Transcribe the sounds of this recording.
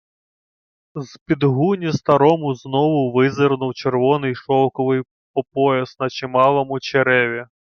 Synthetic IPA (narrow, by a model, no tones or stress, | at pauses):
zpʲid̪ɦunʲist̪ɐɾɔmʊznɔʋʊʋɪzɪrnʊwt͡ʃerʋɔnɪjʃɔwkɔʋɪj | ɔpɔjɐsnɐt͡ʃɪmɑlˠɔmʊt͡ʃeɾɛʋʲi